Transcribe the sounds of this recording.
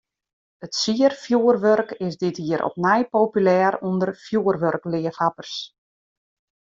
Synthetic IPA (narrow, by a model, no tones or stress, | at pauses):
ətsiərfjuːərʋørkɪsdɪtɦiəɾʔɔ̰pnɛjpoːpylɛːɾundərfjuərʋørklɪəfhapərs